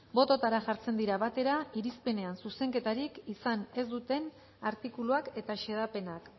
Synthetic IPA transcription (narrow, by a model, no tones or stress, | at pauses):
bo̞t̪o̞t̪aɾaʝaɾt͡se̞nd̪iɾaβat̪e̞ɾaiɾispe̞ne̞ansuse̞ŋke̞t̪aɾikisane̞zd̪ut̪e̞n | aɾt̪ikuluake̞t̪aʃe̞ðape̞nak